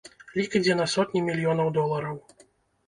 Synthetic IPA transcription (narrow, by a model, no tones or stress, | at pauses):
lʲikɐd͡zʲɛnɐsɔt̪ʲnʲimʲilʲjɔnɐwd̪ɔlˠɐɾɐw